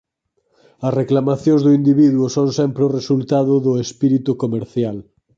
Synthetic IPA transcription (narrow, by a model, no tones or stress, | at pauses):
ɐsreklamaθjõŋzðʊind̪iβiðwʊsõŋsɛmpɾeʊresult̪aðʊðʊespiɾit̪ukomeɾθjal